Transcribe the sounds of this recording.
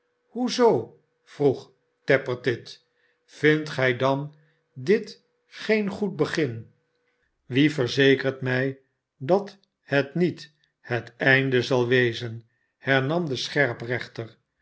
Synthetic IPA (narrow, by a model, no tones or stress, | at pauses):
huzow | v̥ruχ | tɛpəɹtɪt | fɪntχɛjdɑn | dɪt | χejnχut̚bəχɪn | ʋivəɹzejkəɹtmɛj | dɑt | hətnit | hətɛjndəzɑlˠʋejzən | hɛɹnɑmd̪əsχɛɹprɛχtər